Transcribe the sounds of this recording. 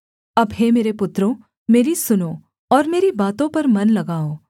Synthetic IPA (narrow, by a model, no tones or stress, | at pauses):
ɐbɦemeːɾepʊt̪ɾõ | meːɾisʊnoː | ɔːɾmeːɾibaːt̪õpɐɾmɐnlɐɡaːõː